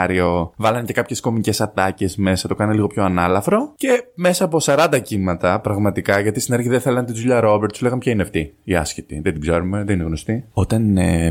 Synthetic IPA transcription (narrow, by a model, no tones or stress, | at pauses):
ɾio̞vɐlɐnce̞kɐpçe̞sko̞mice̞sɐt̪ɐce̞sme̞sɐt̪o̞kɐneliɣo̞pço̞ɐnɐlɐfɾo̞ce̞me̞sɐːpo̞sɐɾɐnd̪ɐcimɐt̪ɐpɾɐɣmɐt̪ikɐʝɐt̪ist̪ineɾçiðeθe̞lɐnt̪izuʎɐɾo̞beɾt̪sule̞ɣɐmepçɐineɐft̪iiɐ̰scit̪iðet̪iɡzeɾume̞ðenineɣno̞st̪io̞t̪ɐne